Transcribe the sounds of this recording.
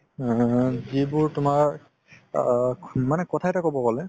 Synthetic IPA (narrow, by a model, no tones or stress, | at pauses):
zibʊɹtʊmaɹ | manɛkɔtʰajtakobɔkɔlɛ